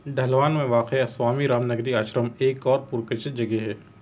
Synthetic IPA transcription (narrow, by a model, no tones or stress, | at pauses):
ɖɐɦlʋaːnmẽʋaːqeswaːmiɾaːmnɐɡɾiaːʃɾəmeːkɔːɾpʊɾkɪt͡ʃɪd͡ʒɐɡeɦɛː